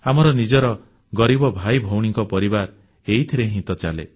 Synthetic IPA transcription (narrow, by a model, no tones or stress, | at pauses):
amɔɾɔnid͡ʒɔɾɔ | ɡɔɾibɔbʱajbʱɔwɽ̃iŋkɔpɔɾibaɾ | eɦit̪ʰiɾeɦĩt̪ɔt͡ʃalḛ